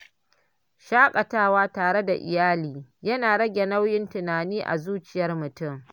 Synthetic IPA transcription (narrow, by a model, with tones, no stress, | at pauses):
ʃaː˦kʼɐ˨taː˦waː˦taː˨ɽe˦da˨ʔɪ̰˨jaː˦liː˨jɐ˦naː˨ɽɐ˦ɡʲe˨na˦wjɪ˦ntʊ˨naː˨niː˦ʔa̰˨zuː˦t͡ʃɪ˨jɐ˦rmʊ˨tʊ˦˨ŋ